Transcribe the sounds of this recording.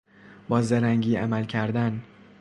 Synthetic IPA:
bɒːzeɾæŋɟiːa̰mælcʲʰæɾd̪æn

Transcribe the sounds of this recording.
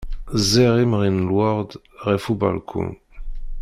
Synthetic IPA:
zɛʁemʁinlwaʁd̪ | ʁɛfuba̰lkʰṵ̃n

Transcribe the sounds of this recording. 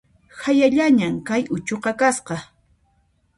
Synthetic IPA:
hajaʎaɲamkajʊt͡ʃoqɑkasqɑ

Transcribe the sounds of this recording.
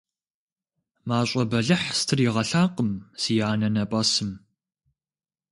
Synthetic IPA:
maːɕʼɐbɐɮɨħstʰɨriʁɐɬaːqʼəmsijaːnɐnɐpʼɐsɨm

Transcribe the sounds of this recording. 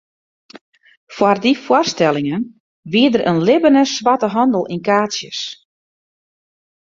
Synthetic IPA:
fwardifwɔrstɛlˠɪŋən | ʋiədərʔə̰nlɪbənəsʋatəɦɑndəlˠʔinkaːsjə̰s

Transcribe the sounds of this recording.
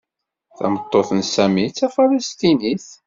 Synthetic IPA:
θæ̰mət̪ˤːoθənsæmit͡sːæfaləst̪iniθ

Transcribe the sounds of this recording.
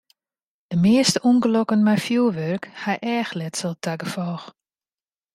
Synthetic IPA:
dəmɪəstəunɡəlokənmɛjfjuəʋørkhajʔɛːxlɛtsəlˠtʰaɡəfɔːx

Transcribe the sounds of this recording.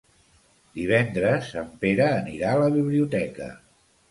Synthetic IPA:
d̪iβ̞ɛnd̪ɾəsəmpeɾəːniɾaələβiβliut̪ɛkə̰

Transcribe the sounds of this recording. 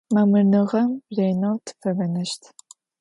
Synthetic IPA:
mɐmɨrnɨʁɐmreːjnowtʰɨ̥fɐvɐnɐʃtʰ

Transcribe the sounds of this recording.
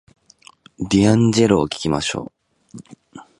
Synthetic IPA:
d̪ʲiãɲd͡ʑe̞ɾoːkʲi̥kʲima̰ɕo̞̰ː

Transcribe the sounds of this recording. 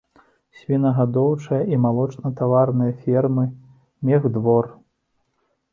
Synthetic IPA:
sʲvʲinɐɣad̪ɔwt͡ʂɐjɐimalˠɔt͡ʂnɐt̪avarnɨjɐfʲɛrmɨ | mʲɛɣd̪vɔr

